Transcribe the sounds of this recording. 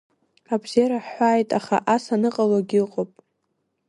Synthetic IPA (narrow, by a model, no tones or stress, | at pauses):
abziaɾaħːʷaːjtʼaχa̰ʔasanɨqʼaloɡʲiqʼopʼ